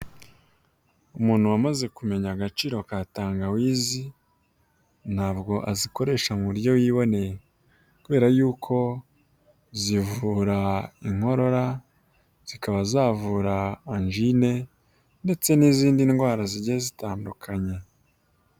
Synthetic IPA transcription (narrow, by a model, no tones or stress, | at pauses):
umuːnhuwamaze̞kume̞ɲaɡat͡ʃiːɾo̞kataːŋɡawiːzi | n̥haːbɡo̞ʔaziko̞ɾe̞ːʃamuɾjo̞wiːβo̞ne̞je | kuβe̞ːɾajuːkʰo̞ | zivuːɾaiŋ̥o̞ɾo̞ɾa | z̥ikaβazaːvuːɾaːnʒine̞ | nde̞t͡se̞niziːndinɡwaːɾaziɟejezitaːndukʰaɲe̞